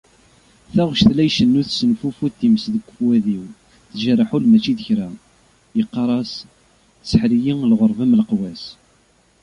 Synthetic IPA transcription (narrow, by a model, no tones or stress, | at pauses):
θæʁʃθlæjʃənːuθsənfufuθθiməsðəkʷːfwæðiw | θʒərˤaħulmæt͡ʃːiðəçɾæ | jəqːɑɾˤɑs | səħɾijiŋlʁoɾˤvæmlqwæs